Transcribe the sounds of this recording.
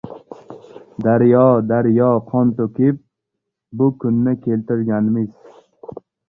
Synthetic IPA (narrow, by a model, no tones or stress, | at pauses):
d̪aɾjɒd̪aɾjɒqʰɒnt̪okʲɪp̚ | bʊkʰʊnːɪkʲʰe̞lt̪ɪɾɡʲanɪmɪz̥